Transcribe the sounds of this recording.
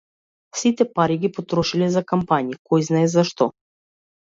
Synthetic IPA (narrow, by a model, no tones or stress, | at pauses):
fsit̪ɛpaɾiɡʲipot̪ɾɔʃilɛzakampanʲikɔjznaɛzaʃt̪ɔ